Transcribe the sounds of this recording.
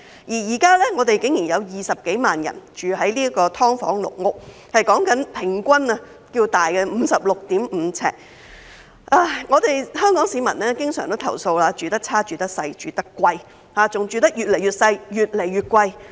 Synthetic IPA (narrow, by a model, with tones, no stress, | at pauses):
jiː˨˩jiː˨˩kaː˥lɛː˥ŋɔː˨˧t̪e˨jkɪ˨˥ŋjiː˨˩njɐ˨˧wjiː˨sɐ˨p̚ke˨˥jmaː˨njɐ̰˨˩nt͡ʃyː˨ɦɐ˨˥jliː˥ɐ˥kɔː˧t̪ʰɔː˥ŋfɔ̰ː˨˥ŋlʊ̰˨k̚ŋʊ˥k̚ | hɐ˨jkɔː˨˥ŋkɐ˨˥npʰɪ˨˩ŋkʷɐ˥nɐ˧ | kiː˧wt̪aː˨jkɛː˧m̩ː˨˧sɐ˨p̚lʊ˨k̚t̪iː˨˥mm̩ː˨˧t͡sʰɛ̰ː˧˩k̚ | ʔaː˧ŋɔː˨˧t̪e˨jhœː˥ŋkɔː˨˥ŋsiː˨˧mɐ˨˩nɛː˥kɪ˥ŋsœ̰ː˨˩ŋt̪o˥t̪ʰɐ̰˨˩wso˧wlaː˧t͡ʃyː˨˩t̪ɐ˥k̚t͡sʰaː˥t͡ʃyː˨t̪ɐ˥k̚sɐ˧jt͡ʃyː˨t̪ɐ˥kʷːwɐ˧j | haː˨t͡sʊ˨ŋt͡ʃyː˨t̪̬ɐ˥k̚jyː˨t̚le˨˩jyː˨t̚sɐ˧jjyː˨t̚le˨˩jɥyː˨t̚kʷwɐ˧j